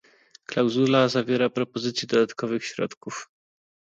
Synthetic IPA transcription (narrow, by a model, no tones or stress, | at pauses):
klawzulazavʲjɛɾapɾɔpɔzɘt̪sʲjɛd̪ɔd̪at̪kʰɔvɘxɕɾɔ̰t̪kuf